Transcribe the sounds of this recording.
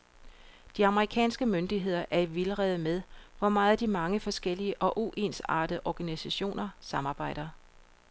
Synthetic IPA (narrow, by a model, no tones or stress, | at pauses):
d̥iɑ̈məʁikʰɛ̰ːnsɡ̥əmønd̥iɦe̝ð̞̰ˠɐʔæɐiʋiləʁɛð̩ˠmeð̞ˠʋɒmɑ̈ːð̩ˠd̥imɑ̈ŋəfɒ̽sɡ̥el̰iəʔɒ̽ʔuʔe̝nsɑ̰̈ːd̥əʔɒɡ̥ænisæɕo̝̰ːnɐsɑ̈mɑ̈ːb̥ɑ̈ɪ̰ɾ̥ɐ